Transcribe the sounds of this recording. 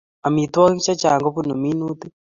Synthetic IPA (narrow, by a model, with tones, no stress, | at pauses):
a˨mi˨t̪wɔ˦ki˦t͡ʃa˦t͡ʃa˨ŋɡɔ˦pu˦no˨mi˦nu˦t̪i˦